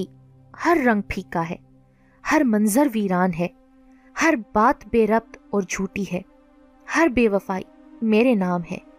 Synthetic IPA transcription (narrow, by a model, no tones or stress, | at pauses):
i | hɐɾːɐ̃ŋɡ̚pʰiːkaɦɛ̰ː | hɐɾmɐ̃nzəɾʋiːɾaːnɦɛː | hɐɾbaːt̪beːɾɐp̚t̪ɔːɾd͡ʒʱuːʈiɦɛː | hɐɾbeːʋɐfaːḭ | meːɾenaːmɦɛ̰̃ː